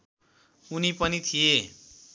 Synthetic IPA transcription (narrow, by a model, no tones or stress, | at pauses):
unipʌnit̪ʰije